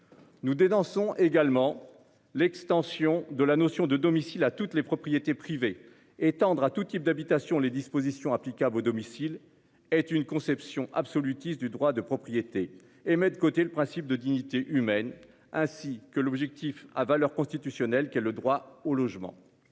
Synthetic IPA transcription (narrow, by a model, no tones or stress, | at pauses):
nud̪enɔ̃sɔ̃ʔeɡalmɑ̃ | lɛkst̪ɑ̃sjɔ̃d̪əlanosjɔ̃d̪əd̪ɔmisilat̪ut̪lepχɔpχijet̪epχive | et̪ɑ̃d̪ʁat̪ut̪ip̚d̪abit̪asjɔ̃led̪ispozisjɔ̃aplikʲablod̪ɔmisil | ɛt̪ynkɔ̃sɛpsjɔ̃ʔabsɔlyt̪isd̪yd̪ʁwad̪əpχɔpχijet̪eː | mɛt̪əkot̪eləpχɛ̃sip̚d̪əd̪iɲit̪eʔymɛn | ɛ̃sikəlɔbʒɛk̚t̪ifa̰valœʁkɔ̃st̪it̪ysjɔnɛlkʲɛləd̪ʁwaolɔʒmɑ̰̃